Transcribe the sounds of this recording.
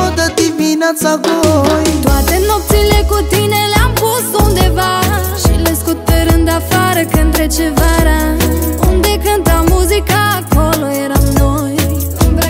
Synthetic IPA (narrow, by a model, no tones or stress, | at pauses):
od̪əd̪ivinat̪saɡojt̪wat̪enɔpt̪silekot̪ineleampost̪ond̪evaʃileskut̪̚peɾɨnd̪afaɾəkənt̪ɾet͡ʃevaɾaond̪ekant̪amuzikakɔloeɾamnoj